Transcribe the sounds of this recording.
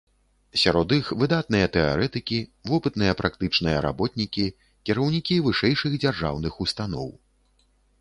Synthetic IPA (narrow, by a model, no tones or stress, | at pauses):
sʲaɾɔd̪ixvɨd̪at̪̚nɨjɐt̪ɛa̰ɾɛt̪ɨkʲivɔpɨt̪nɨjɐpɾʔakt̪ɨt͡ʂnɨjɐɾa̰bɔt̪nʲikʲi | kʲiɾɐwnʲikʲivɨʂɛjʂɨɣd͡zʲarʐa̰wnɨxust̪an̪ɔ̰w